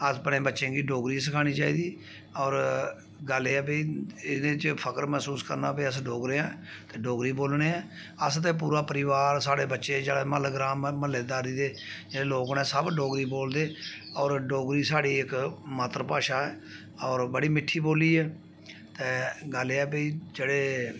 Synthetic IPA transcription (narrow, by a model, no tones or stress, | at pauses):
əspnẽːbətːʃẽːɡiːɖoːɡɾiːsəkʰaːñiːt͡ʃaːiːd̪iː | ɔːɾ | ɡəleɛːpeɪsd̪eːt͡ʃpʰəkəɾmɛːsuːskə̰ɾna̰ːpiːəsɖoːɡɾeːãː | t̪eːɖoːɡɾiːboːlneːɛː | əst̪eːp̬uːɾaːpəɾɪʋaːɾsaːɽeːbətːʃeːd͡ʒːɽeːməlɡɾaːmːəlːeːd̪aːɾiːd̪eːd͡ʒeeːloːknɛ̃ːsəbɖoːɡɾiːboːld̪eː | ɔːɾɖoːɡɾiːsaːɽiːɪkmaːt̪ɾəpaːʃaːɛː | ɔːɾbəɽiːmɪʈʰːiːboːliːɛː | t̪eːɡəleɛːpəiːd͡ʒeːɽeː